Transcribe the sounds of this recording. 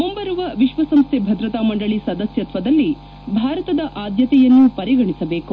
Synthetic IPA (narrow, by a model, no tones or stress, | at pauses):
mumbɐɾuʋɐʋiʃʋɐsɐmst̪ʰebʱɐd̪ɾɐt̪aːmɐɳɖɐɭisɐd̪ɐsjɐt̪ʋɐd̪ɐlːi | bʱaːɾɐt̪ɐd̪ɐʔaːd̪jɐt̪ɛjɐnːupɐɾiɡɐɳisɐbeːku